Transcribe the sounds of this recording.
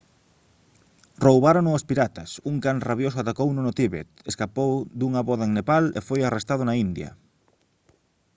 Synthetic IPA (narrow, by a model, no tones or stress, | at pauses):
rowβaɾonʊospiɾat̪ɐsuŋkanraβjosʊat̪akownõnʊt̪iβḛt̪eskapowd̪uŋɐβɔðaeŋnepalḛfojarest̪aðʊnaind̪jɐ̰